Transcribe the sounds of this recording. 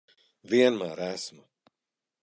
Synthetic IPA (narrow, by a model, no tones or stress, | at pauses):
viɛnmaːɾæsmu